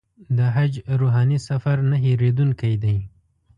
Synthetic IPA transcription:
d̪əɦad͡ʒɾoɦɑnisafaɾnaɦeɾed̪unkajd̪aj

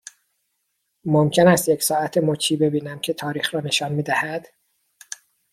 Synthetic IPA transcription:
momcʰe̞næst̪jecsɒːæt̪ʰemocʰiːbe̞biːnæmcʰe̞t̪ʰɒːɾiːxɾɒːne̞ʃɒːnmiːd̪æhæd̪̥

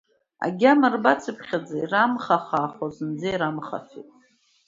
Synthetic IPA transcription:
a̰ɡʲamarbat͡sʰɨpʰχʲad͡zairamχaχaːχozɨnd͡zaiɾamχa̰fḭtʼ

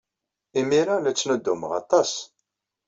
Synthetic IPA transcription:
imiɾalæt͡sːnəd̪ːuməʁɑ̰t̪ˤɑs

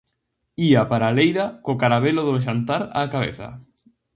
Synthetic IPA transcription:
iapaɾalejðakokaɾaβeloðʊʃ̬ant̪aɾa̰kaβḛθa̰

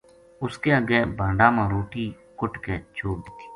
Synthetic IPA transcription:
ʊskeːəɡeːbʱãːɳɖaːmãːɾoːʈiː | kʊʈkeːt͡ʃʰoːkd̪ɪt̪ʰi̥ː

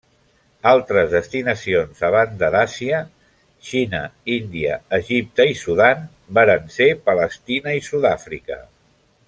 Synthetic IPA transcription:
alˠt̪ɾəzðəst̪inəsionzəβ̞and̪əðasiə | ʃinə̰ind̪iə̰ːʒip̚t̪əisuðan | baɾənsepələst̪inəisuðafɾḭkə̰

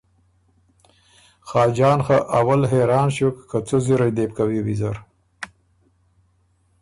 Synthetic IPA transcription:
xɑːd͡ʒɑːnxaʔawalɦeɾɑːnɕokːʰat͡soziɾajd̪ep̚kawiwizaɾ

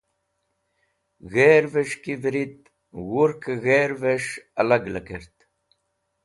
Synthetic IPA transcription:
ɣeːɾveʂkivɾit̪̚ | wuɾkɣeːɾveʂɐlɐɡlɐkeɾt̪

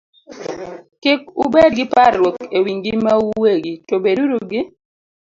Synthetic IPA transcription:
kɪkṵbed̚ɡɪparːwokewiŋɡɪmauweɡitobeduɾuɡɪ

